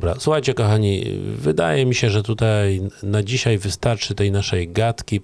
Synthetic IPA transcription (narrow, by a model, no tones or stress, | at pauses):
bɾa̰suxajt͡ɕɛkɔxaɲḭvɘd̪a̰jɛmʲiɕɛʐɛt̪ut̪ajnad͡ʑiɕajvɘst̪aɾt͡ʂɘt̪ɛjnaʂɛjɡat̪kʲi